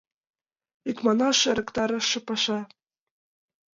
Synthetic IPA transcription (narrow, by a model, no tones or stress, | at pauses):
ikmɑnɑʃɤ̆ɾɤ̆kt̪ɑɾɤ̆ʃɤ̆pɑʃɑ